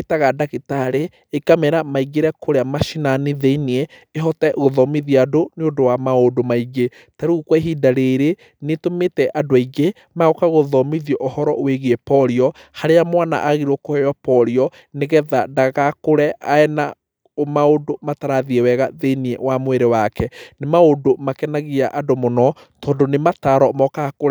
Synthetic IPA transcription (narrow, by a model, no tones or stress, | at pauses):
etaɣadaɣitaɾeː | kamɛɾamaiɡeɾɛkoɾeamaʃinaniðeniɛ | eɦɔtɛɣoðɔmiðiadoneodowamaodomaiɡe | taɾuɣukwɔeɦidaɾeɾe | netometɛʔadoaiɡe | maɣɔkaɣoðɔmiðjɔʔohɔɾɔʔweɣiɛpɔɾiɔhaɾeamwana̰ʔaɣiɾokohɛjɔpɔɾiɔ | neɣɛðadaɣakoɾɛʔaɛna | omaodomataɾaðiɛwɛɣaðeniɛ̰wamoeɾewakɛnemaodomakɛnaɣiaʔadomonɔ | tɔːndonemataɾɔmɔkakoɛ